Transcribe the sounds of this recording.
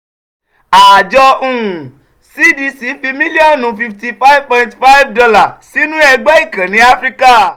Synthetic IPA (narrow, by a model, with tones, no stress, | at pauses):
a˨d͡ʒɔ˧ũ˦˨ũ˨ | si˦di˧si˨˦fi˧mĩ˦li˦ɔ˦nnũ˨˦fi˧fti˧fa˦i˦vpɔ̃˧nti̥˧fa˦i˦vdɔ˧la˨si˨˦nũ˦ɛ˧ɡ͡bɛ˦i˦˨kã˨nĩ˨˦a˦fɾi˦ka˦˨